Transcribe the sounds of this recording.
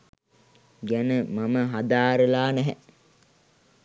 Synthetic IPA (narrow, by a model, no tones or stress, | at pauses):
ɡænəmaməɦad̪aːɾəlaːnæɦɛ̰